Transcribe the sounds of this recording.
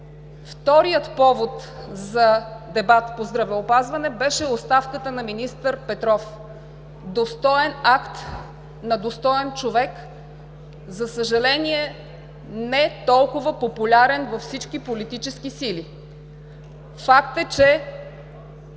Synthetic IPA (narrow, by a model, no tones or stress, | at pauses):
ft̪ɔɾijət̪pɔvot̪zɐd̪ɛbat̪pozd̪ɾɐvɛopazvɐnɛbɛʃɛost̪afkət̪ənɐminist̪əɾpɛt̪ɾɔf | d̪ost̪ɔɛnakt̪ | nɐd̪ost̪ɔɛnt͡ʃovɛk | zɐsəʒɐlɛniɛ | nɛt̪ɔlˠkʊvəpopulʲaɾɛnvɐfsit͡ʃk̟ipolit̪it͡ʃɛsk̟isili | fak̚t̪ɛt͡ʃɛ